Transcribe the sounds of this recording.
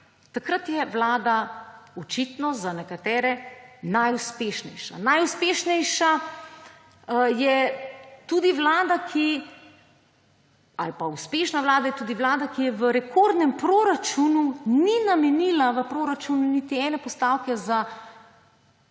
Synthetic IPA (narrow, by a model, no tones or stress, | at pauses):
t̪akɾat̪jɛʋlaːd̪aɔt͡ʃit̪nɔzanɛkat̪ɛːɾɛnajuspeːʃnɛjʃa̰najuspeːʃnɛjʃa | jɛt̪ud̪iʋlaːd̪akʰi | a̰lpauspeːʃnaʋlaːd̪ajɛt̪uːd̪iʋlaːd̪akijɛʋəɾɛkoːɾd̪nɛmpɾoɾat͡ʃununinamɛnilaʋəpɾoːɾat͡ʃununit̪iɛːnɛpɔst̪aːwkɛza